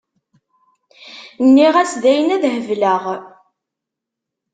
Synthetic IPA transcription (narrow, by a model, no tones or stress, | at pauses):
nːiʁæsðæjənæðhəvləʁ